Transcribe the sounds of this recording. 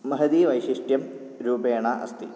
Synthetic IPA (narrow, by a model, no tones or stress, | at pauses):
mɐɦɐd̪iʋɐjɕiʂʈjɐm | ɾuːbeːɳɐʔɐ̰st̪ḭ